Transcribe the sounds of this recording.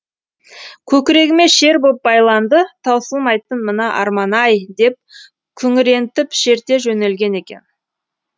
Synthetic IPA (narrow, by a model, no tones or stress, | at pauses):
kʲʰɵkʲɪɾe̞ɡʲɪme̞ʃe̞ɾbop̚bɑjlˠɑnd̪ət̪ʰɑwsəlˠmɑjt̪ənmənɑʔɑ̰ɾmɑnɑjd̪e̞p̚ | kʲʰʏŋɪɾe̞nt̪ɪpʃe̞ɾt̪e̞ʒɵne̞lɡʲe̞ne̞kʲe̞̰n